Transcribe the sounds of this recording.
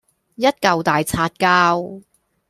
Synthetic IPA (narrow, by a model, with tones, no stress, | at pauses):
jɐ˥t̚kɐ˨wt̪aː˨jt͡sʰaː˧t̚kaː˥w